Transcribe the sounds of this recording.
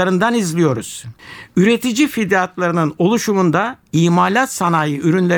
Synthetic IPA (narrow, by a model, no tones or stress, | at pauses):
aɾɯnd̪anizlʲijo̞ɾuz̥yɾe̞t̪ʰid͡ʒifid̪eat̪lˠaɾɯnɯno̞lˠuʃumund̪aiːmalʲat̪sanaːjɯyɾynlʲe